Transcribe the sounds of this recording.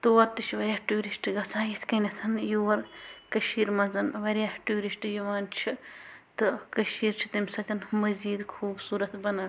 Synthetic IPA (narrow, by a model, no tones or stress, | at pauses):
t̪oːɐɾt̪ɨt͡ʃʰʋɐɾʲaːʈuːɾisʈɡɐt͡sʰãːjit̪ʰkɐnʲɐsʰɐnjuːʋɐɾkɐʃiːɾmɐnzɐnʋɐɾʲjaːhʈuːɾisʈjuʋaːnt͡ʃʰit̪ɨkɐʃiːɾt͡ʃʰi̥t̪ɐmʲsɐt̪ʰʲɐnmɐziːd̪kʰuːbsuːɾɐt̪bɐnɐ